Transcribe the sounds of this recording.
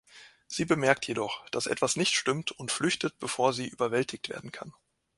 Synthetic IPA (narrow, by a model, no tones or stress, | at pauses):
z̥iːbəmɛɐk̚tʰjedɔχd̥asʔɛ̰tv̥asnɪçtʃtʏmtʰʊntflʏçtət̚b̥əfoːɐziːʔyːbɐvɛltʰɪçtv̥ḛɐdn̩kʰa̰n